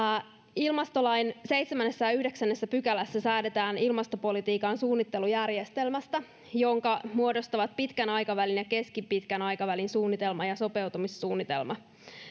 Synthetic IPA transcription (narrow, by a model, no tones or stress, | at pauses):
ilmɑst̪olɑjnseijt̪semænːesːæjɑyhdeksænːesːæpykælæsːæsæːdet̪æːnilmɑst̪o̞po̞lit̪iːkɑnsuːnːit̪ːe̞lujærjest̪elmæst̪æ | jo̞ŋkɑmuo̞dost̪ɑʋɑt̪̚pit̪kænɑjkɑʋælinjɑke̞skipit̪kænɑjkɑʋælinsuːnːit̪e̞lmɑjɑso̞pe̞wt̪umisːuːnːit̪e̞̰lmɑ